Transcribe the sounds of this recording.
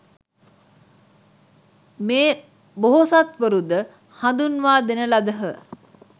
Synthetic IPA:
meː | boɦosat̪ʋəɾud̪ə | hand̪unʋaːd̪enəlɐd̪əɦə

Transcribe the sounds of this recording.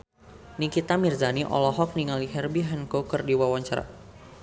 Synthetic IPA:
nikit̪amirzaniʔɔ̰lɔɦɔk̚niŋaliɦɛrbiɦɛnkokərdiwawaɲt͡ʃaɾa̰

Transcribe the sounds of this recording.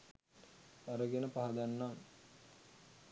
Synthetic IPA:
aɾəɡenəpaɦad̪anːam

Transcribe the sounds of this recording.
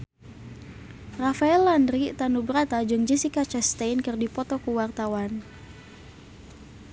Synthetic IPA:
rafaɛlːandɾit̪anubɾat̪ad͡ʒɨŋd͡ʒisikat͡ʃast̪ainkɨrdipɔt̪ɔkuwart̪awan

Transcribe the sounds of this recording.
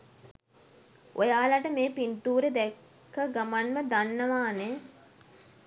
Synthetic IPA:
ʔojaːlaʈəmeːpint̪uːɾed̪ɛkː | əɡamanməd̪anːəʋaːne

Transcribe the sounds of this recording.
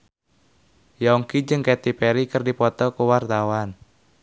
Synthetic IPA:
jɔŋkid͡ʒɨŋkɛt̪ipɛɾikərdipɔt̪ɔkuwart̪awan

